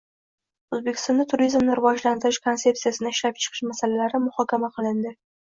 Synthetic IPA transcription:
ozbekʲɪ̥st̪ɒnd̪at̪ʰʊɾizmnɪɾɪvɒd͡ʒlant̪ɪɾɪʃkʰo̞nse̞p̚sijasɪnɪɪʃlap̚t͡ʃʰɨ̥qʰɨ̥ʃmasalalaɾɪmʊhɒkʲʰamaqʰɨlˠɪnd̪ɪ

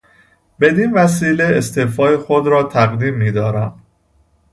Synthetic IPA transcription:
be̞d̪iːnvæs̬iːle̞est̪ʰeːfɒːjexod̪ɾɒːt̪ʰæɣd̪iːmːiːd̪ɒːɾæm

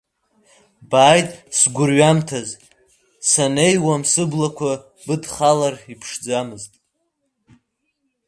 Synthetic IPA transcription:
baːjtʼsɡʷʊrɥamtʰaz | sanejwamsɨblakʷʰa | bɨdχalaripʰʂd͡zamɨztʼ

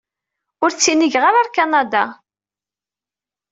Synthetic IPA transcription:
ʊɾt͡sːiniʝʁaɾaɾkanad̪a

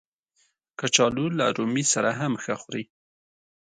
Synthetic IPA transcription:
kat͡ʃɑlula̰ɾumisaɾaɦamxəxɾi

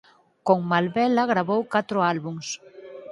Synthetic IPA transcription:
koŋmalβɛlaɣɾaβowkat̪ɾoalβuŋs

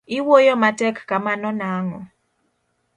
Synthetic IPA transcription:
iwojɔmatɛkkamanɔnaŋɔ

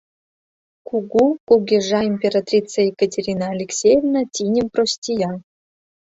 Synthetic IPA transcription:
kuɡukuɡʲeʐɑimʲpʲeɾat̪rʲit͡sajekətʲeɾʲinaːlʲeksʲejevnat̪ʲinʲɘmprosʲtʲijɑ

